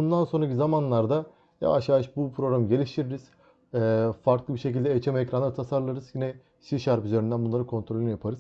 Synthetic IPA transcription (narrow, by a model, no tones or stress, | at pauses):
bund̪ansonɾacizamanlˠaɾd̪a | ja̰vaʃjaːʃbupʰɾo̞ɡɾamɟe̞lʲiʃt̪ʰiɾiɾiz̥ | ɛːfaɾklˠɯbiɾʃe̞cilʲd̪ɛet͡ʃʰɛmɛcɾanat̪ʰasaɾlˠaɾɯzjinɛ | ʃiʃaɾpyzeɾynd̪ænbunlˠaɾɯkʰo̞nt̪ʰɾolʲnijapʰaɾɯz